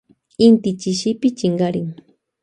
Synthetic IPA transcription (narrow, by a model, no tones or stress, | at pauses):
ɪnt̪ɪt͡ʃɪʃɪpɪt͡ʃɪɴɢɑɾɪŋ